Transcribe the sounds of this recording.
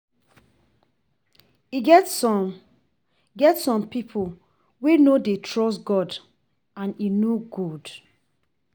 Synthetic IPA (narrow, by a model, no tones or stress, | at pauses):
iɡɛt | ɡɛtsɔ̃mpipʰo | wenodetʰɹɔstɡɔd | ãninoɡud